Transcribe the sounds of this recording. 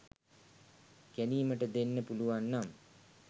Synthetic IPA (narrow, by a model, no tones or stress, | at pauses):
kæniːməʈəd̪enːəpuluʋanːam